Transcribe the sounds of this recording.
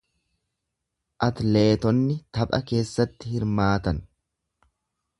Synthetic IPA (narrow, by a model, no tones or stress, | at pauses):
ʔɐt̪le̞ːt̪ɔnːɪt̪ɐpʼɐ̰ke̞ːsːɐt̪ːɪhɪɾmaːt̪ɐn